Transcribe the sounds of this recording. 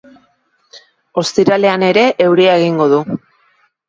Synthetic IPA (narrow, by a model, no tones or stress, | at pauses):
o̞st̪iɾale̞ane̞ɾe̞ʔːwɾiae̞ɣ̞iŋɡo̞ðu